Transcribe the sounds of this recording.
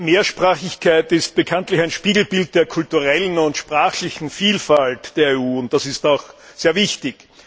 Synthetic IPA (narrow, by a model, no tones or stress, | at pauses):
meːɐʃpʁaːxɪçkʰæɪtɪst̚b̥əkʰantlɪçæɪnʃpiːɡl̩bɪlt̚d̥eːɐkʰʊltuʁɛlənʊntʃpʁaːxlɪçn̩fiːlfaltd̥eːɐeuːʊnt̚d̥asɪstaʊxseːɐvɪçtɪç